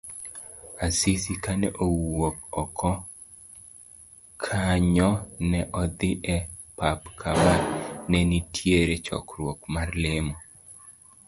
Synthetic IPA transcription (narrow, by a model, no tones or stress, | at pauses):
asisikanɛʔowok̚ɔkʰɔ | kʰaɲɔnɛʔɔd̪ɪʔɛpapkʰamanɛnitʰjeɾet͡ʃɔ̰kɾwokmarlɪmɔ